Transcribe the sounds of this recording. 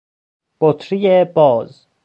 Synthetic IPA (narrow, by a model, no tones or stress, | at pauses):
b̥ot̪ʰɾijebɒːz